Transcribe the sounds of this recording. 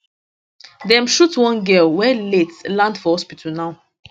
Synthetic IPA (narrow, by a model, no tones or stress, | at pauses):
dɛ̃mʃutwɔ̃nɡɛlwɛletlãndfɔhɔspitʰalnaʊ